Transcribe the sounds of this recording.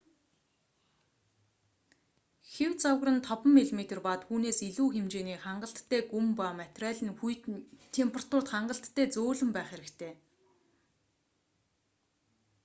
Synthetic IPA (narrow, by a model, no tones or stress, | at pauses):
xewt͡sawɣrə̆nt̪ʰɔpə̆mːiɮmet̪ʰĕrpat̪xuːneːsiɮuːxemt͡ɕeːniːχaɴɢə̆ɬt̪ʰːeːɡumpamat̪ræːɮʲɘ̆nxuj̆t̪t̪ʰːempʰrḁt̪ʊr̥t̪χaɴɢə̆ɬt̪ʰːæːt͡soːɮɵ̆mpæːχeɾɘ̆kt̪ʰeː